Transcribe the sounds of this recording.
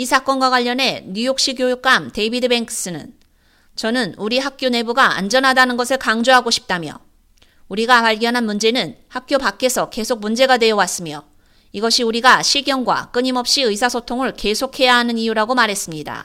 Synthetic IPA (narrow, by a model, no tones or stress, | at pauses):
isʰak͈ʌnɡwaɣwaʎːʌne̞ɲujok̚ɕ͈iɡjojuk̚k͈amte̞bidɯbeŋkʰs͈ɯnɯ̰n | t͡ɕʌnɯnuɾiɦak̚k͈jone̞buɡaa̰nd͡ʑʌnɦadanɯnɡʌsʰɯɭkaŋd͡ʑoɦaɡoɕʰi̥p̚t͈amjʌ̰ | uɾiɡapaɭɡjʌnɦanmund͡ʑe̞nɯnhak̚k͈jopakʰe̞sʰʌke̞sʰok̚mund͡ʑe̞ɡadwe̞jʌwas͈ɯmjʌ | iɡʌɕʰiuɾiɡaɕʰiɡjʌŋɡwa̰k͈ɯɲimʌp̚ɕ͈iɯisʰasʰotʰoŋɯɭke̞sʰokʰe̞jaɦanɯnijuɾaɡomaɾɦe̞s͈ɯmɲida̰